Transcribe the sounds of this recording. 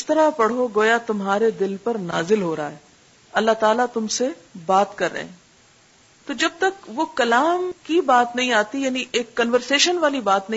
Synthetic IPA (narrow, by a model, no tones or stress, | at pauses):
ɪst̪ɐɾapɐɽ̤ɦoɡoːjat̪ʊmɦaːɾed̪ɪlpɐɾna̰ːzɪlɦoːɾɐaɦɛː | ɐlːaɦt̪aːlat̪ʊmsebaːt̪kɐɾːɐ̰ɦɛ̃ː | t̪od͡ʒɐb̚t̪ɐkʋokɐlaːmkibaːt̪nɐɦĩaːt̪ijaːniʔeːkːɐnʋəɾseːʃənʋaːlibaːt̪nɐɦĩ